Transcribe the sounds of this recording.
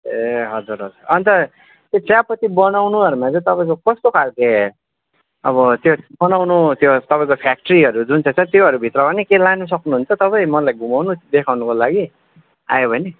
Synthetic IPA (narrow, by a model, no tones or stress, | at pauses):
eɦʌd͡zuɾɦʌd͡zurʌnt̪ʌ | t̪jot͡sjapːʌt̪ibʌnawnuʌɾumat͡sʌ̃t̪ʌpaĩkokʌst̪okʰalke | ʌ̰βʌt̪jobʌnawnut̪jot̪ʌpaĩkopʰjak̚ʈɾiʌɾud͡zunt͡sʰʌt͡sʰʌ̃t̪joɦʌɾubʱit̪rʌbʌnekelanus̬ʌknuɦunt͡sʌt̪ʌpaj̃mʌlajɡumawnud̪ekʰawnʌkolaɡi | a̰jobʱʌne